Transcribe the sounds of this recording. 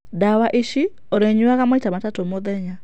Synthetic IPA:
dawaʔiʃi | oɾeɲuaɣamaitamatatomoðɛɲa

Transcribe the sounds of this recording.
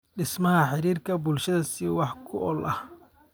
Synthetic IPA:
ɗɪsmɐɦɐħɪɾiːrkʰɐbʊlʃɐðɐsɪwɑħkʰʊʔɔlʔɐh

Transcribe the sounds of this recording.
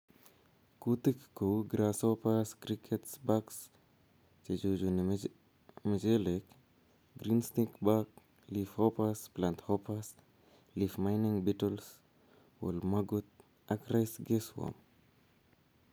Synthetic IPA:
kutəkkːowɡɾasopaskɾikʰɛtsbaks | t͡ʃed͡ʒod͡ʒuni | məd͡ʒɛlɛk | ɡɾinstikbak̚ | lifhɔpasplanthɔpas | lifmajniŋbitɔls | wṵlmɐɡut̪̚ | akrajsɡeswɔ̰m

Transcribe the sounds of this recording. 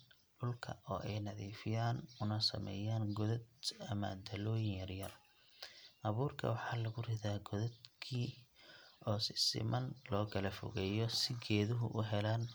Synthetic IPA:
ɗʊlkʰɐ̰ɔːʔɛjnɐðiːfɪjaːnʊnɐsɐ̰mɛ̰ːjaːnɡɔðɐd̪ɐmɐ̰d̪ɐlɔːjɪjɐrjɐl | ʔɐβuːrkʰɐ̰wɑħɑːlɐɣʊrɪðaːɡɔðɛd̪kʰiː | ʔɔːsɪsɪ̰mɐnlɔːkʰɐlɐfɔ̰ɣɛːjɔsɪɡɛːðʊɦʊ̰ʔʊɦɛlaːn

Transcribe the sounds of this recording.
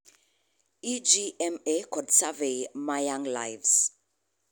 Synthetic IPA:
id͡ʒiɛmekʰɔdsavemajãŋlajvs

